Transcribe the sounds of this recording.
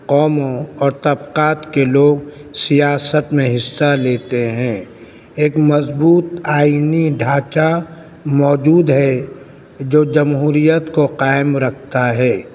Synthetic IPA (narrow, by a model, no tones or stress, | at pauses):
qɔːmõɔːɾt̪ɐbqaːt̪keloːɡsijaːsət̪mẽɦɪsːaleːt̪eɦɛ̃ː | eːkmɐzbuːt̪aːiniɖʱaːt͡ʃa | mɔːd͡ʒuːd̪ɦɛ | d͡ʒoːd͡ʒɐmɦuːɾijət̪koqaːɪmɾɐkʰt̪aɦɛː